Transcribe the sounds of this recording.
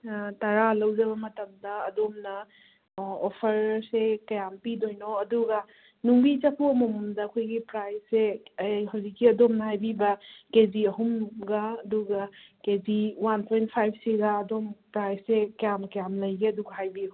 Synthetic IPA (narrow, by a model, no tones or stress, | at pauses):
taɾalɐwd͡ʒɐβɐmɐtɐmdɐɐdomnɐ | opʰɐɾsekɐjampidojnoɐduɡɐ | nuŋbit͡ʃɐpʰomomumdɐɐkʰojɡipɾajseɦawzikːiɐdomnɐhajbibɐkeziɐɦumɡaɐduɡɐkeziwanpʰojntpʰajb̚ʰseɡaːdompɾajsːekɐjamkjamlɐjɡeɐduɡɐɦajbiu